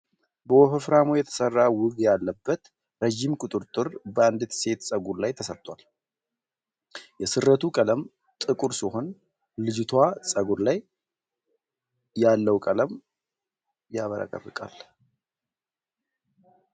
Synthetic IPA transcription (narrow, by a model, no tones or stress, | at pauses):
bəwɔfəfɾamojɛt̪ʰə̥sərːawʊɡjalːəbːət̪ | ɾəʒimkʼʊt̪ʼɨɾt̪ʼɨɾbəand̪ɨt̪se̞t̪sʼəɡuɾlajt̪ʰəsət̪ʼːwal | jɛsɨrːət̪ʰukʼələm | t̪ʼɨkʼuɾsiho̞n | lɨd͡ʒɪt̪ʰwasʼəɡuɾlaj | alːəwkʼələm | jaβəɾa̰kʼə̰rːɨkʼa̰l